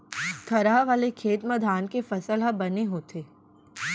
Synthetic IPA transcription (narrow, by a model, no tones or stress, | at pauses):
t̪ʰɐɾaʋaːlekʰeːt̪məd̪ʱaːnkefɐsəlɦabɐneɦoːt̪ʰeː